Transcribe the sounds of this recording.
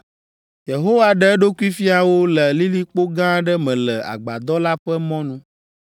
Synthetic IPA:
je˨ɦo˦wa˦ɖɛ˦ɛ˦ɖo˦ku˦i˦fi˦a˨wo˦lɛ˨li˦li˦k͡po˦ɡã˦ɖɛ˦mɛ̃˨lɛ˨a̰˨ɡ͡ba˨d̪ɔ˦la˦ɸɛ˦mɔ̃˦nũ˦

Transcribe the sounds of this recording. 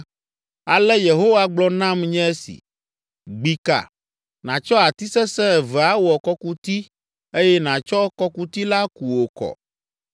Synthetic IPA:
a˨lɛ˦je˨ɦo˦wa˦ɡ͡blɔ˦nã˦mɲɛ̃˦ɛ˦sḭ˨ | ɡ͡bi˨ka̰˨ | nã˨t͡ʃɔ˦a˨t̪i˦sɛ˦sɛ̃˦ɛ˨vɛ˨a˦wɔ˨kɔ˦ku˦t̪i˦ | e˦jɛ˦nã˨t͡ʃɔ˦kɔ˦ku˦t̪i˦la˦ku˨wo˨kɔ̰˨

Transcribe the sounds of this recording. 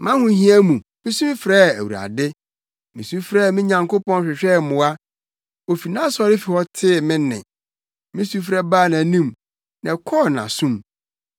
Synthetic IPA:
mã˦hʊ̃˦hĩ˦æ˦mũ˨mɪ̃˦sũ˦fɾɛ˦˨æ˨wṵ˨ɾa̰˨dɪ˦ | mĩ˨sũ˦m˦fɾɛ˦˨mɪ̃˦ɲã˨ŋko˦pɔ̃˦nɕᶣɪ˨ɕᶣɛ˦˨mʊ̃˨˦a˦ | o˨fi˨nã˦sɔ˨ɾɪ˦fi˨hɔ˦tʰɪ˦˨mɪ̃˦nːɪ̰̃˨ | mɪ̃˦su˦fɾɛ˦baː˦˨nã˨nĩ˦m | nã˨kʰɔː˦˨nã̰˨sũ˦m

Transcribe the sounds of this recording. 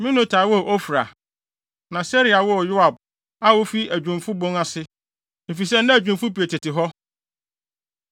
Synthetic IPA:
mɪ̃˦nʊ̃˦tʰaː˨˦wɔ˦˨ʔɔ˦fɾa˨ | nã˨sɛ˦ɾi˨a˨wɔ˦˨jʊ˦a˨b̚ | a˦wo˦fi˦æ˨d͡ʑᶣũ˨mfʊ˦bõ˦ŋa˦sɪ˦ | e˨fi˨s̬ɛ˦nʊ̃˦æ˨d͡ʑᶣũ˨mfʊ˦pi˨e˨tʰɪ˨tɪ˨ɦɔ˦

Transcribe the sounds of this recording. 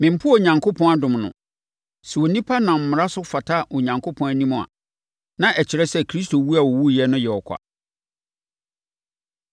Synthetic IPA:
mɪ̃˨m̩˨pʰʊ˦˨ɲã˨ŋkʰo˦pʰɔ̃˦a˦dʊ̃˨mnʊ̰̃˨ | sɛ˨wo˨nĩ˦pʰa˦nã˨m̩˨mʊ̃˨ɾa˦sʊ˦fa˨tʰa˦o˨ɲã˨ŋkʰo˦pʰɔ̃˦æ˨nĩ˦mʊ̃˨a̰˨ | nã˦ʔɛ˨t͡ɕʰɪ˨ɾɛ˦sɛ˦kʰɾi˦stʰo˨wu˦a˨wo˨wu˦jɛ˦nʊ̃˦jɛ˨ɔ˨kʰa̰˨

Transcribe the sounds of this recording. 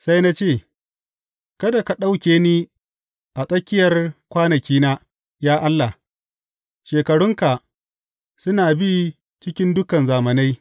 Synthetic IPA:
sa˦jna˦t͡ʃeː˦˨ | kɐ˦da˨ka˨ɗa˦wkʲeː˦niː˦ | ʔa˨sʼɐ˦kʲɪ˦jɐ˨rkʷaː˦nɐ˨kʲiː˦naː˦ | jaː˦ʔa˦lːa˨h | ʃeː˨kɐ˨ɽʊ˦ŋka˨ | sʊ˦naː˨bi˦ | t͡ʃɪ˦kʲɪ˦ndʊ˦kɐ˨nzaː˨mɐ˨na˦j

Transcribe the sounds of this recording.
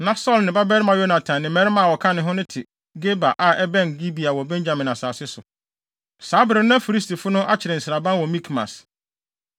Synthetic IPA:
nã˨sɔ˦lnɪ̃˨ba˦bɛ˦ɾɪ˦mã˨jo˦nã˨tʰã˨nːɪ̃˨mɛ̃˦ɾɪ˦mã˨wɔ˨kʰã˦nɪ̃˦ɦʊ̃˦nʊ̃˦tʰɪ˨ | ɡe˦ba˨ʔa˨ɛ˦bɛ̃˦˨n˨ɡi˦bi˨a˨wɔ˨bɛ̃˦ɲd͡ʑã˨mɪ̃˨na˨saː˨sɪ˦sʊ˨ | saː˨˦bɪ˨ɾɪ˨nʊ̃˦a˦fi˨ɾi˦stʰi˨fʊ˦nʊ̃˦ʔa˦t͡ɕʰɪ˨ɾɪ˨n̩˨sɪ˨ɾa˨bã˦nwɔ˨mĩ˦kʰma̰˨s

